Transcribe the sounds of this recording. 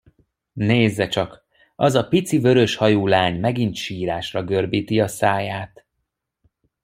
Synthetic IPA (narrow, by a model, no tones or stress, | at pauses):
neːzːɛt͡ʃɒk | ɒzɒpit̪sivø̞ɾø̞ʃhɒjoːlaːɲmɛɡint̪ʃiːɾaːʃrɒɡø̞rbiːt̪iɒsaːjaːt̪